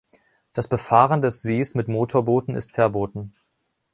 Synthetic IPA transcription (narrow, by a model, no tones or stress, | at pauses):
d̥asb̥əfaːʁəndɛsz̥eːsmɪtmoːtʰoːɐboːtn̩ɪ̰stfɛɐboːtn̩